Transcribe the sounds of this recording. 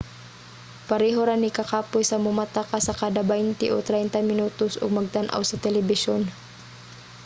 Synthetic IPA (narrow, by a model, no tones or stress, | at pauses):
pɐɾɛːɦoɾanɪkɐkaːpʊjsɐmʊmat̪akasɐkaːd̪ɐbɛjnt̪ɪʔot̪ɾɛjnt̪ɐmɪnuːt̪osʔo̰ɡ̚mɐɡ̚t̪anʔa̰wsɐt̪ɛlɛbɪʃon